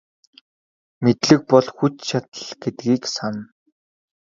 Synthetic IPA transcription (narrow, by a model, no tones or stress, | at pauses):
met̪ɮɘ̆k̚pɔɮxut͡ɕt͡ɕʰat̪ə̆ɮɡet̪ɡiːksan